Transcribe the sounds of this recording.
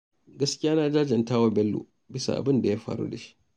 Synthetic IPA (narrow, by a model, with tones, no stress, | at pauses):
ɡɐ˦skʲɪ˦jaː˦naː˦d͡ʒaː˦d͡ʒɛ˨ntaː˦wa˦bɛ˦lːṵː˨ | bɪ˦sa̰˨ʔa̰˨bɪ˦nda˨jaː˦ɸa̰ː˦ɽṵ˦da˨ʃi̥˦ʔ